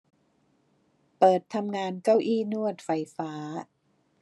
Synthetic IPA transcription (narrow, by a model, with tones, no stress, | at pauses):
pɤː˨˩t̪ʰːa˧mŋaː˧nka˥˩wʔiː˥˩nu˥˩ət̪̚fa˧jfaː˦˥